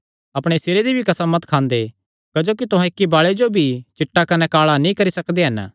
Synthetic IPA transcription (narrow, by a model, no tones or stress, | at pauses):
ɐpɽ̃esɪɾed̪ibʱikɐsamɐt̪kʰãːnd̪e | kɐd͡ʒoːkit̪ʊɦãɪkːibaːɭed͡ʒobʱit͡ʃɪʈːakɐnɛkaːɭanĩkɐɾisɐkd̪eɦɐn